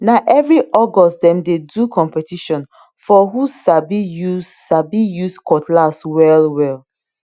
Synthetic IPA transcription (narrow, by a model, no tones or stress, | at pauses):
naʔɛvɹiʔɔɡɔsdɛ̃mdedukʰɔ̃mpɛtiʃɔ̃n | fɔɦusabijuzsabijuskɔtlaswɛlwɛl